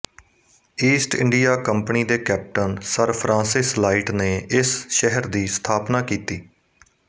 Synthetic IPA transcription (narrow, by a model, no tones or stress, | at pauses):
iːsʈɪ̰̃ɳɖijaːkəmpəniːd̪eːkɛːp̚ʈənsəɾpʰɾʔãːsɪslaːiːʈneːʔɪsʃɛɦəɾd̪iːst̪ʰaːpnaːkiːt̪iː